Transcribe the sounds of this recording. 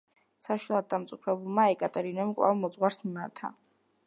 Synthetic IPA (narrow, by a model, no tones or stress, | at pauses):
saʃilˠad̪̚d̪amt̪sʼupʰɾɛbulˠmaɛkʼat̪ʼɛɾinɛmkʼwa̰vmɔt̪sʼʁwaɾsmimaɾt̪ʰa̰